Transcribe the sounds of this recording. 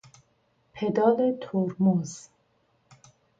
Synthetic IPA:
pʰed̪ɒːlet̪ʰoɾmuz̥

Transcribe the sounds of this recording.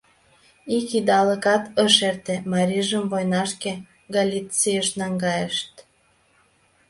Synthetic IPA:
ikid̪ɑləkɑt̪ə̆ʃert̪emɑɾʲiʒəmvojnɑʃke | ɡalʲit͡sijəʃnɑŋɡɑjəʃt̪̚

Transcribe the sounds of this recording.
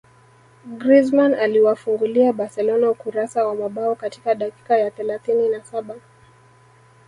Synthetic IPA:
ɡɾizmanaliwafuŋɡuliaɓaɾsɛlɔnaukuɾasawamaɓaɔkatikaɗaki̥kajaθɛlaθininasaɓa

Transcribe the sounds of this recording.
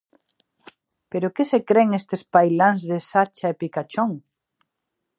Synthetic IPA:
peɾʊkesekɾeŋest̪espajlaŋzðesat͡ʃaepikat͡ʃoŋ

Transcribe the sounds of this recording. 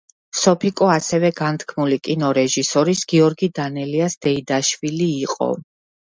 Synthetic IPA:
sɔpʰikʼɔasɛvɛɡant̪ʰkʰmulikʼinɔɾɛʒisɔɾisɡ̥iɔɾɡid̪anɛliasd̪̥ɛid̪aʃviliːqʼɔ̰

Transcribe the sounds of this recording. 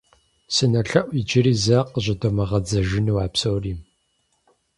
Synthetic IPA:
sɨnɐɬɐʔʷid͡ʒɪɾiːzɐqʼəʑɐdomɐʁɐd͡zɐʒɪnɨwaːpsoːriːm

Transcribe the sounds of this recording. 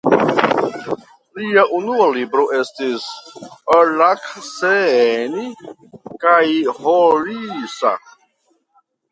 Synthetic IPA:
liaʔunualibɾo̞ʔe̞stis | lakseni | kajholisa̰

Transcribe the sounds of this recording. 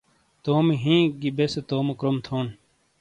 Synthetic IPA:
t̪oːmiɦĩːɡibeset̪oːmokɾomt̪ʰoːn

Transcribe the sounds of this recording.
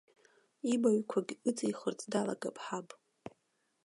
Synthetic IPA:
ibaɥkʷʰaɡʲɨt͡sʼɨiχərt͡sʼdalaɡapʼħapʼ

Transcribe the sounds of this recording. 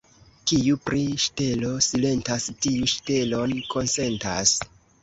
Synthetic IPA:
kijupɾiʃte̞lo̞sile̞ntastijuʃte̞lo̞nko̞nse̞nta̰s

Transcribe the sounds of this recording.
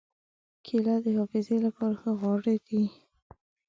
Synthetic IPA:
kʰelad̪əhɑfɪzelapɑɾaxəɣwɑɽed̪̥i

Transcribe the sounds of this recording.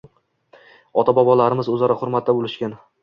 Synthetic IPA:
ɒt̪ʰabɒbɒlaɾɪmɪzɵzaɾaχʊɾmat̪̚ːabolɪʃkʲan

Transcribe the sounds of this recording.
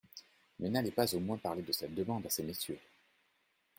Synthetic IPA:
mɛnalɛpazomwɛ̃paʁled̪əsɛt̪̚d̪əmɑ̃d̪asemet̪ɥe

